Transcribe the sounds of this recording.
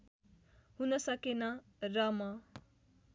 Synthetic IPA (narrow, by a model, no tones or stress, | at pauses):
hunʌsʌkenʌ | rʌmʌ